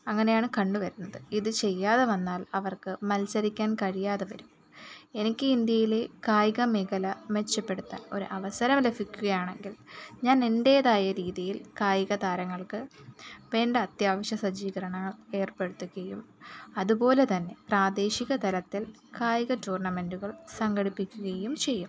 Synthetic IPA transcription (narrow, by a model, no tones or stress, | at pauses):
ɐŋːɐne̞jaːɳɨkɐɳɖuʋɐɾunːɐðɨiðɨt͡ɕe̞jːaːðeʋɐnːaːlɐʋɐrkɨmɐlsɐɾikʲːaːnkɐɻijaːðeʋɐɾum | e̞nikʲːɨind̪jɐjile̞kaːjiɣɐmiɣɐlɐʋe̞t͡ɕːɐpːe̞ɽut̪ːɐ̰o̞ɾṵʔɐʋɐsɐɾɐmlefikʲːuɣɐjaːɳe̞ŋɡilɲaːne̞nde̞ːðaːjɐɾiːðijilkaːjiɣɐd̪aːɾɐŋːɐɭkɨʋe̞ːndeɐt̪jaːʋɐɕjɐsɐd͡ʑiːɣɐɾɐɳɐŋːɐɭe̞ːrpe̞ɽut̪ːuɣɐjumɐðupo̞ːle̞t̪ɐnːe̞praːd̪e̞ːɕiɣɐt̪ɐlɐt̪ːil | kaːjiɣɐtuːrɳɐme̞nduɣɐɭsɐŋɡɐɽipːikʲːuɣɐjumt͡ɕe̞jːum